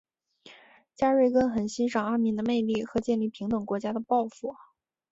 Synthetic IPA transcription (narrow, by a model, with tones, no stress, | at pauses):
t͡ɕja˥ɻwe˥˩ɪkə˥nxə˨˩nɕi˥nʂɑ˨˩ŋa˥nmi˧˥ŋd̪ə˧me˥˧ɪli˥˩xɤ˧˥t͡ɕjɛ˥˧nli˥˩pʰi˧˥ŋt̪ɤ˨˩ŋkwɔ˧˥t͡ɕja˥d̪ə˨pɑ˥˧ʊfu˥˩